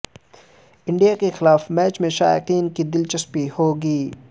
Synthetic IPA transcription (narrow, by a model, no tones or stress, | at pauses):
ɪ̃ɳɖijakexɪlaːfmɛːt͡ʃmẽʃa̰ːjɪqiːnkid̪ɪlt͡ʃɐspihoːɡiː